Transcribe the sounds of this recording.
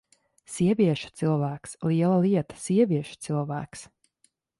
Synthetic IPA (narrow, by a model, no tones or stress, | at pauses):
siɛvʲiɛʃu̥t̪silˠvæːksliɛlˠɐliɛt̪ḁsiɛvʲiɛʃu̥t̪silˠvæ̰ːks